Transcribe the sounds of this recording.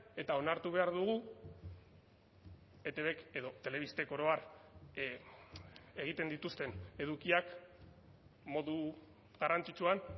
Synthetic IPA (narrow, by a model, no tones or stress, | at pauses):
e̞t̪ao̞naɾt̪uβ̞e̞aɾðuɣ̞u | e̞t̪e̞βe̞ke̞ðo̞t̪e̞le̞β̞ist̪e̞ko̞ɾo̞aɾ | e̞ɣ̞it̪e̞nd̪it̪ust̪e̞ne̞ð̞ukiak | mo̞ðu | ɣarant͡sit͡ʃuan